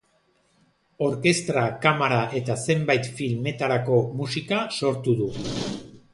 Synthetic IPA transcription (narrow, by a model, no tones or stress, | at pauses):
o̞ɾke̞st̪ɾakamaɾaʔe̞t̪ase̞mbajt̪filme̞t̪aɾako̞musikaso̞ɾt̪uðu